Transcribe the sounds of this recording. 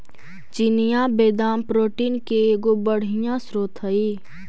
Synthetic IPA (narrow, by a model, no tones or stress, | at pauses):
t͡ʃinɪjabeːd̪aːmpɾoːʈiːnkeːɡobəɽ̤ɪjãsɾoːt̪ʰəiː